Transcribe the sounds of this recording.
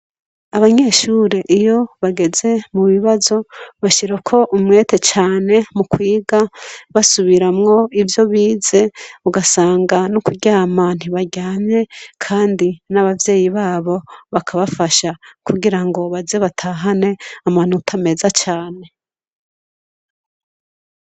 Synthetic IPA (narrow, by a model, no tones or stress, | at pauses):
aβaɲe̞ːʃuːɾe̞ʔijo̞βaɡe̞ze̞muβiβazo̞βaʃiɾakʰo̞ʔumŋe̞ːte̞t͡ʃaːne̞mukwiːɡaβasuβiɾamŋo̞ivjo̞βiːze̞uɡasaːŋɡanukuɟaaman̥uβaɟaːɲe̞kʰaːndinaβavje̞ːjiβaːβo̞βakʰaβafaʃakuɡiɾaŋɡo̞βazeβatʰaːɦane̞aman̥utʰame̞zat͡ʃaːne̞